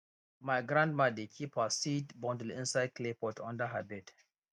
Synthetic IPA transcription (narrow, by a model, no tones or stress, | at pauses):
maɪɡɹãndmadikʰipəsidbɔ̃ndlɪ̃nsaɪd̚kʰlepɔtʰɔ̰̃ndəɦəbɛd